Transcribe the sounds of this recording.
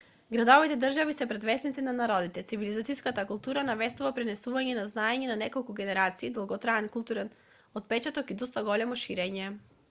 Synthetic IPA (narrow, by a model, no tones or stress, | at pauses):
ɡɾad̪ɔvit̪ɛd̪r̩ʒavisɛpɾɛd̪vɛsnit̪sinanaɾɔd̪it̪ɛt̪sivilizat̪siskat̪akulˠt̪uɾanavɛst̪uvapɾɛnɛsuvaɲɛnaznaɛɲɛnanɛkɔlˠkuɡɛnɛɾat̪siːd̪lˠaɡɔt̪ɾaɛnkulˠt̪uɾɛn | ɔt̪̚pɛt͡ʃat̪ɔkid̪ɔst̪aɡɔlɛmɔʃiɾɛɲɛ